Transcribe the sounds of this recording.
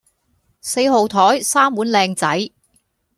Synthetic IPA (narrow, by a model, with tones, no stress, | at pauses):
se˧jɦo˨wt̪ʰɔː˨˥jsaː˥mwuː˨˥nlɛː˧ŋt͡sɐ˨˥j